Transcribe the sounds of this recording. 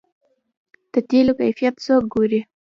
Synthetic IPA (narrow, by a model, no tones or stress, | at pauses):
d̪̥ət̪elokajfijat̪sok̚ɡoɾi